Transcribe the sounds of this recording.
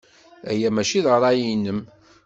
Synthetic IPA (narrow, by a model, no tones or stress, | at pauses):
æ̰jæmæʃiðəɾˤɑjinːəm